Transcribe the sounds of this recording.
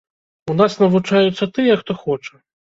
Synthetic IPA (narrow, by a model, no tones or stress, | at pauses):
unasnɐvut͡ʂajut̪sːɐt̪ɨjɐxt̪ɔxɔt͡ʂɐ